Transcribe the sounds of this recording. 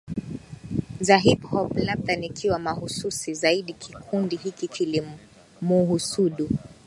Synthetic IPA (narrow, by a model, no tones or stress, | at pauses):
zaɦiphɔplabðanikʰiwamahususizaiɗikʰikʰundiɦikikʰili | muɦusuɗu